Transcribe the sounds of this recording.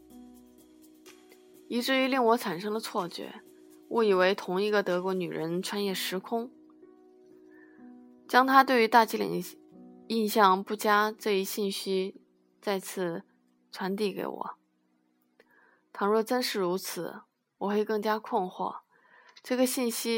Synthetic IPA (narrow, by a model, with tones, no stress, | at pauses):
i˧˥ʈ͡ʂɻ̩˥˩y˧˥li˥˩ŋwɔ˧˥ʈ͡ʂʰa˨˩nʂɤ˥ŋd̪ə˨t͡sʰwɔ˥˩t͡ɕɥɛ̰˧˥ | wʔɔ˥˩i˨˩we˧˥ɪt̪ʰʊ˧˥ŋi˥˩ɡə˨t̪ɤ˧˥kwɔ˧˥ny˨˩ɻʔə̰˧˥nʈ͡ʂʰwa˥njɛ˥˩ʂɻ̩˧˥kʰʊ˥ŋ | t͡ɕjɑ˥ŋt̪ʰa˥t̪we˥˩ɪy˧˥t̪a˥˩t͡ɕi˥lḭ˨˩ŋ | i˥˧nɕjɑ˥˧ŋpu˥˩t͡ɕja˥ʈ͡ʂɤ˥˧i˥ɕi˥˩nɕi˥ | t͡sa˥˧ɪt͡sʰɹ̩˥˩ | t͡sʰwa˧˥nt̪i˥˩kḛ˧˥ɪwɔ̰˨˩˦ | t̪ʰɑ˧˥ŋɻwɔ˥˧˩ʈ͡ʂə˥nʂɻ̩˥˩ɻu˧˥t͡sʰɹ̩˨˩˦ | wɔ˨˩xwe˥˧˩ɪkɤ˥˩ŋt͡ɕja˥kʰʊ˥˧nxwɔ̰˥˩ | ʈ͡ʂɤ˥˩ɡə˩ɕi˥˩nɕi˥